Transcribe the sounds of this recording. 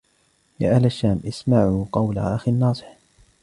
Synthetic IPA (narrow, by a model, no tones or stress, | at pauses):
ja̰ːʔalaʃːaːmʔɪsmaʕuːqɑwla̰ʔaxinːɑːsˤɨ̥ħ